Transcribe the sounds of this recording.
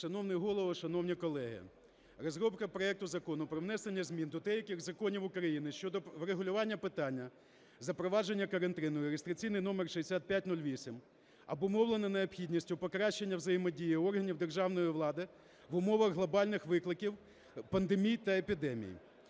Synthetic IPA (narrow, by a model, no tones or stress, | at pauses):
ʃɐnɔwnɪɦɔlˠɔʋɔʃɐnɔwnʲikɔlˠɛɦɪ̰ | rɔzɾɔpkɐpɾɔɛk̚t̪ʊzɐkɔnʊpɾɔwnɛsenʲːɐzʲmʲind̪ɔd̪ɛjɐkɪɣzɐkɔnʲiwʊkɾɐjinɪʃt͡ʃɔd̪ɔʋɾeɦʊlʲʊʋɑnʲːɐpɪt̪ɑnʲːɐ | zɐpɾɔʋɑd͡ʒenʲːɐkɐɾɐnt̪ɪnɔjʊɾʲɪst̪ɾɪt͡sʲijnɪjnɔmerʃeesʲat̪̚pʲjatʲnulʲʋʲisʲim | ɐbʊmɔwlˠenɐneɔpxʲidʲnʲisʲtʲʊpɔkɾɑʃt͡ʃːenʲːɐwzɐjemɔdʲijiɔrɦɐnʲiwd̪erʒɑwn̪ɔjiʋlˠɑd̪ɪ | ʋʊmɔʋɐɣɦlˠɔbɑlʲnɪxʋɪklˠɪkʲiw | pɐnd̪emʲijt̪ɐepʲid̪ɛmʲḭj̰